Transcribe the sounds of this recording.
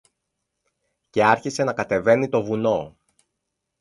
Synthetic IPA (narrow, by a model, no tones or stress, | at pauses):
ce̞ɐɾçise̞nɐkɐt̪e̞ve̞nit̪o̞vuno̞